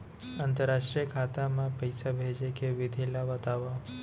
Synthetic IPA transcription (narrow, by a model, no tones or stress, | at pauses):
ant̪əɾːaʃʈɾijəkʰat̪amãpəjsabʱed͡ʒekʰeʋɪd̪ʱelaʋət̪aʋa